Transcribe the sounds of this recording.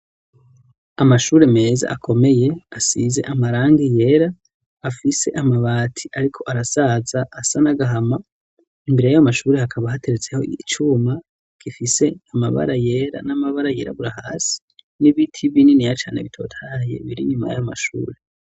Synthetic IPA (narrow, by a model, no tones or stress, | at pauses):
amaʃuːɾe̞me̞ːza̰ʔakʰo̞me̞je̞asize̞̰ʔamaɾaːŋɡije̞ɾaː | fise̞̰ʔamaβaːtʰiaɾikʰo̞ʔaɾasazaʔːsanaɡaɦama | imbe̞ɾe̞jajamaʃuːɾehakʰaβahate̞ɾet͡se̞ho̞̰iit͡ʃuːma | ɡ̥ifise̞amaβa̰ɾaje̞ɾa̰namaβaɾaje̞ːɾa̰βuɾahaːsi̥ | niβitʰiβininijat͡ʃaːne̞βitʰo̞̰ːtʰaje̞̰βiɾḭɲuma̰ja̰jama̰ʃṵːɾe